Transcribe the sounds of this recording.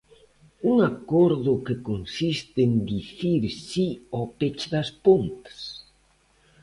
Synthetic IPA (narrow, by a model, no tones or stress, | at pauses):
uŋakoɾðʊkekonsist̪end̪iθiɾsiopet͡ʃðaspont̪ḁs